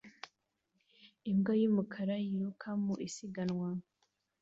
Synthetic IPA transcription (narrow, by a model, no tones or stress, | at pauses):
imɡojumukʰaɾajiɾukʰamuʔisiɡanwa